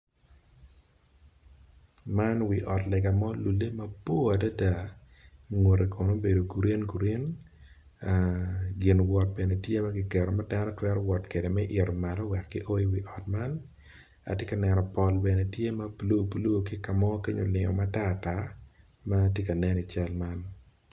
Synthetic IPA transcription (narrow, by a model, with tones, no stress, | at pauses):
ma˦nwi˨ʔɔ˨tlɛ˨ɡa˨mɔ˦lu˨le˦mɐ˦bo˦a˨da˦da˨ | ŋwo˨ɾe˨kʰo˨no˦be˨do˨ɡu˨ɾe˦nɡu˨ɾe˦n | ɡɪ˨nwɔ˨t̚bɛ˨ne˨tje˦mɐ˦ɡɪ˨kɛ˨ɾɔ˨ma˦da˦nɔ˦twɛ˦ɾɔ˦wɔ˨tke˨de˨mɛ˦ʔɪ˨ɾo˨ma˨ɾɔ˦wɛ˨kːɪ˦ʔo˦i˦wi˨ʔɔ˨tma˦n | a̰˨tje˦ka˨nɛ˨nɔ˨pɔ˨lbɛ˨ne˨tje˦mɐ˦blu˦˨bu˨lu˦˨kɪ˦ka˨mɔ˦ke˦ɲo˨lɪŋɔ̰˨ma˦ta˦ta˦ | ma˦tje˦ka˨nɛ˦ni˨t͡ʃɛ˦lma˦n